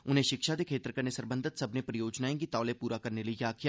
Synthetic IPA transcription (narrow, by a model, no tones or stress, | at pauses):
ʊn̤ẽːʃɪkʃad̪eːkʰeːt̪ɾəkəɾneːsəɾbə̃nd̪ʱət̪səbnepɾəjoːd͡ʒnaːẽːɡit̪aːleːpuːɾakəɾneləijaːkʰɪjaː